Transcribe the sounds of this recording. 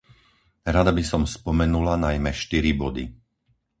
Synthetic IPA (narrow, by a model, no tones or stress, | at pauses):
ɾad̪abisɔmspɔmɛnulanajmɛʃt̪iɾibɔd̪ḭ